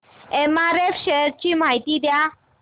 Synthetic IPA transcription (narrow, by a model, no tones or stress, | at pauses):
emaɾefɕɛɾt͡ɕim̤aɦit̪id̪ja